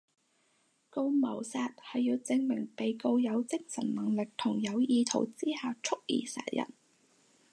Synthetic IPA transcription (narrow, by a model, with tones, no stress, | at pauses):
ko˧wmɐ˨˩wsaː˧t̚hɐ˨jːiː˧wt͡sɪ˧ŋmɪ˨˩ŋpe˨jko˧wjɐ˨˧wt͡sɪ˥ŋsɐ˨˩nnɐ˨˩ŋlɪ˨k̚t̪ʰʊ˨˩ŋjɐ˨˧wjiː˨˧t̪ʰo̰˨˩wt͡siː˥haː˨˧wt͡sʰʊ˥k̚jḭː˨˩sɛ̰ː˨˩t̚jɐ̰˨˩n